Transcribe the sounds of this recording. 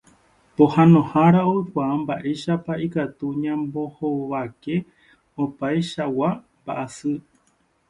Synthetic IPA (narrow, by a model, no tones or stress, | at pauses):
po̞hãnõ̞haɾaoɨkʷaambaʔe̞ʃapaikat̪uɲãmbo̞hoβake̞ | opaeʃawamba̰ʔasɨ